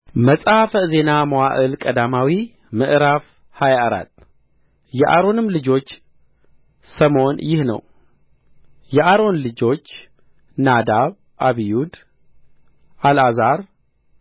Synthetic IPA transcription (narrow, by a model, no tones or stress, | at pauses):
məsʼafəze̞naməwaʔɨlkʼəd̪amawi | mɨʔɾaf | hajaʔɾa̰t̪ː | jɛʔaɾo̞nɨmlɨd͡ʒo̞t͡ʃː | səmo̞njɪhnə̰w | jɛʔaɾo̞nlɨd͡ʒo̞t͡ʃː | nad̪aβ | ʔaβijud̪ | ʔalazaɾ